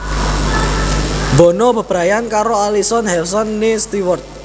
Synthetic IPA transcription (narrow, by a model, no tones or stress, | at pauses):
bɔ̤nɔb̥ə̤b̥ɾajankaɾoalisɔnhɛlsɔnːest̪iwɔrt̪̚